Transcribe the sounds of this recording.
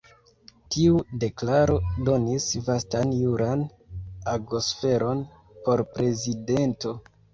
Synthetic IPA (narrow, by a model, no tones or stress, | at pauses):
tiude̞klaɾo̞do̞nisvastanjuɾʔan | aɡosfe̞ɾo̞n | po̞ɾpɾe̞zide̞nto̞